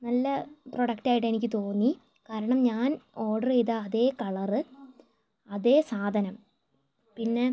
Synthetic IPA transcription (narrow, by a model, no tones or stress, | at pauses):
nɐlːɐproɽɐkʈaːjʈːe̞nikʲːɨt̪o̞ːnːi | kaːɾɐɳɐmɲaːno̞ːɖɐrejðaːðe̞ːkɐɭɐrɨ | ɐðe̞ːsaːd̪ʱɐnɐm | pinːe̞